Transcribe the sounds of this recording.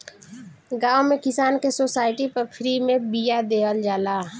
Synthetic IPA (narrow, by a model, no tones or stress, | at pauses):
ɡaːomẽkɪsaːnkesoːsaːɪʈipəɾpʰɾimẽbijad̪eːəld͡ʒaːlaː